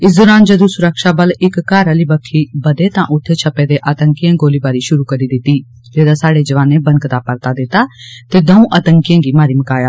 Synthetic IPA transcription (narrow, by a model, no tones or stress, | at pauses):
ɪs̬d̪ʊɾaːnd͡ʒəd̪ũːsʊɾəkʃaːbəlɪkːaːɾaːliːbəkʰːiːbəd̪eːt̪ãːʔʊt̪ʰːeːt͡ʃʰəpeːd̪eːʔət̪əŋkɪjãːɡoːliːbaːɾiːʃʊɾuːkəɾiːd̪ɪt̪ːiː | t̪eːd̪aːsaːɽeːd͡ʒəʋaːnẽːbənkt̪aːpəɾt̪aːd̪ɪt̪aːt̪eːd̪əũːʔət̪əŋkɪjãːɡiːmaːɾiːməkaːjaː